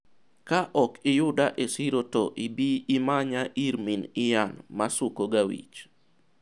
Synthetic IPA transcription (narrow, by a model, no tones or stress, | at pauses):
kaʔɔkɪjʊdaʔesiɾoto̰ʔibiːmaɲaʔiɾminɪjanmasʊkoɡawḭt͡ʃ